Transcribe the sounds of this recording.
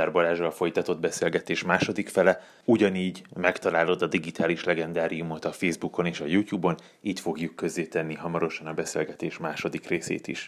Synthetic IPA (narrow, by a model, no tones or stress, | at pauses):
arbolaːʒɒlfo̞jt̪ɒt̪o̞d̪̚bɛselɡɛt̪eːʃmaːʃo̞d̪ikfɛlɛ | uɟɒniːɟmɛkt̪ɒlaːlo̞d̪ɒd̪iɡit̪aːliʃlɛɡɛnd̪aːɾijumo̞t̪ɒfeːzbuko̞neːʃɒjuːt̪juːbo̞n | iːt̪fo̞ɡjukːøzːeːt̪ɛnːiɦɒmɒɾo̞ʃɒnɒbɛseːlɡɛt̪eːʃmaːʃo̞d̪ikreːsḛːt̪ḭʃ